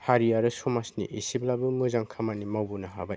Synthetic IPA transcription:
haɾiaɾɯsɔmasnḭʔisiblabɯmɯzaŋkʰamanimawbunaɦa̰ba

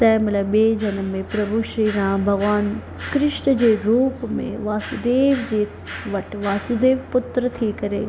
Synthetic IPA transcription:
t̪ɛːmɐlɐbeːd͡ʒʱɐnəmːẽpɾɐbʱuʃɾiːɾãːmbʱɐɡʋaːn | kɾɪʃɳəd͡ʑeːɾuːpmḛ̃ʋaːsud̪eːʋd͡ʑeː | ʋɐʈʋaːsud̪eːʋpʊt̪ɾət̪ʰikɐɾeː

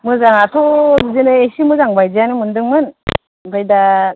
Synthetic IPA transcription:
mɯzaŋatʰɔzinɯesimuzaŋbajzijanimɯndɯŋmɯn | bʰɯjda

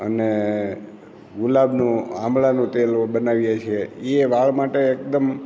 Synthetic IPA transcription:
ə̰ne | ɡʊlabnũamɭanũt̪elbənaʋjat͡ʃʰeeʋaɭmaʈeːk̚d̪əm

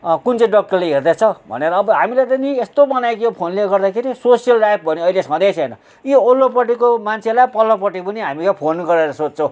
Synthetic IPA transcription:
kunt͡sʌj̃ɖʌk̚ʈʌrleɦerd̪at͡sʰʌbʱʌ̰neɾʌːbʌɦamilat̪ʌniest̪obʌnajkijopʰonleɡʌrd̪akʰeɾisosijʌlɖajp̚ʰbʱʌniʌilesʌ̃d̪ʌjt͡sʰʌjnʌ | jiolːop̬ʌʈikomant͡sʰelajpʌlːʌpʌʈipʌniɦamikapʰonɡʌɾeɾʌsod͡zt͡sʰʌw̃

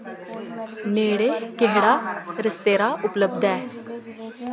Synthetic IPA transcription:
neːɽeːkeɦɽaːɾəst̪eːɾaːʔʊpləbd̪ɛː

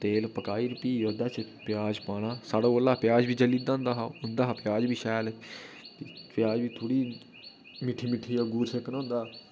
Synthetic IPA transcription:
t̪eːlpəkaːiːɾpiːjoːd̪aːsepjaːd͡ʒpaːnaːsaːɽaoːlːaːpjaːd͡ʒbiːd͡ʒəliːd̪ãːnd̪aːɦaːʊnd̪aːɦapjaːd͡ʒbiːʃɛːlt̪ipjaːd͡ʒbiːt̪ʰoːɽiː | mɪʈʰːiːmɪʈʰːiːaɡuːɾseknãːnd̪aː

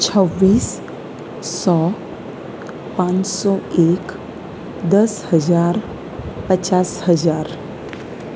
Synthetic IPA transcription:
t͡ɕʰəʋːiːsː | ɔ | pãt͡ssɔek | d̪əshəd͡zaɾ | pət͡ɕashəd͡zaɾ

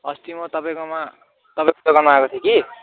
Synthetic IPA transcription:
ʌst̪imot̪ʌpaj̃koma | t̪ʌpãj̃kt̪oɡʌrnuakot̪ʰiẽki

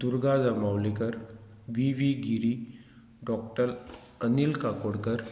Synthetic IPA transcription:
d̪uɾɡad͡zamawlekəɾ | ʋiʋiɡiɾi | ɖɔk̚ʈəɾ | ənilkakoɽkəɾ

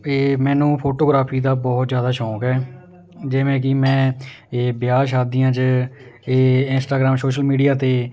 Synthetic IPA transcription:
eːmɛ̃ːnũːpʰoːʈoːɡɾaːpʰiːd̪aːbɔːt̪zjaːd̪aːʃɔːkɛː | d͡ʒɪʋẽːk̬ɪmɛ̃ː | bɪjaːʃ̬aːd̪iːãːt͡ʃəeːɪnsʈaːɡɾaːmsoːʃəlmiːɖijaːt̪eː

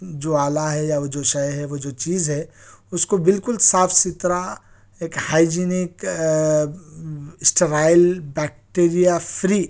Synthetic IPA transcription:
d͡ʒoːaːlaɦɛjaʋod͡ʒoʃɐjɦɛʋod͡ʒoːt͡ʃiːzɦɛʊskobɪlkʊlsaːfʰsɪt̪ɾa | eːkhaːɪd͡ʒiːnɪk | ɪsʈeɾaːɪlbɛːk̚ʈeːɾijafʰɾiː

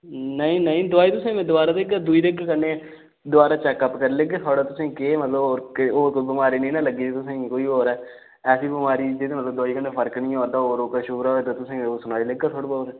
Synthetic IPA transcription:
nəĩːnəĩːd̪ʊaːiːt̪ʊsẽːmẽːd̪ʊaːɾaːd̪eɡad̪uiːd̪eɡkəne | d̪ʊaːɾaːt͡ʃɛːkːəpkəɾleɡet̪ʰoːɽaːt̪ʊsẽːkeːmət̪ləboːɾkoːɾkoːibəmaːɾiːnĩːnãːləɡiːd͡ʒet̪ʊsẽkoːiːoːɾɛː | ɛːsiːbɪmaːɾiːd͡ʒed̪eːmət̪ləbd̪aːiːkəɳeːpʰəɾknĩːɔːɾd̪aːoːɾoːkaʃʊbɾaːoːet̪aːt̪ʊsẽsʊnaːiːleɡaːt̪ʰoːɽobaːɾ

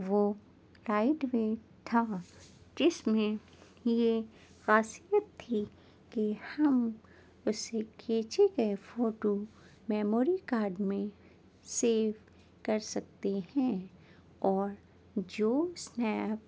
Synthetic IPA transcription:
ʋo | ɾaːɪɖwe | t̪ʰaːd͡ʒɪsmẽ | je | ɣaːsijət̪ʰːi | kehɐm | ʊsekʰeːt͡ʃeɡɐefoːʈo | mɛːmoːɾikaːɾɖmẽ | seːʋ | kɐɾsɐk̚t̪ehɛ̃ | ɔːɾ | d͡ʒoːsnɛːp̚

